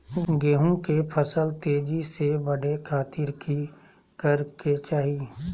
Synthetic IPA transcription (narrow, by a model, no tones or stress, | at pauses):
ɡeːɦõkepʰəsəlt̪eːd͡ʒisebɐɽekʰaːt̪ɪɾki | kəɾket͡ʃaːɦiː